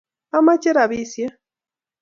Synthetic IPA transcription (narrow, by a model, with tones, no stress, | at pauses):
a˦ma˦t͡ʃe˦ɾa˨βi˦sja˦